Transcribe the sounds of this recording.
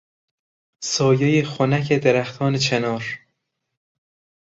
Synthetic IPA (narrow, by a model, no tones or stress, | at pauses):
sɒːjejexonæcʰed̪eɾæxt̪ʰɒːnet͡ʃʰenɒːɾ